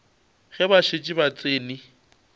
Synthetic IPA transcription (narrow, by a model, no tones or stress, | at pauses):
ɣɛbaʃɪt͡ʃʼɪbat͡sʼeːni